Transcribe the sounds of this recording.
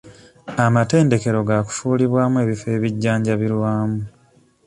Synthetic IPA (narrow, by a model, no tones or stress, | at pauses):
amate̞ːnde̞ke̞ɾo̞ɡaku̥fuːliβwaːmue̞ːβife̞ːβiɟːaːɲɟaβilwaːmu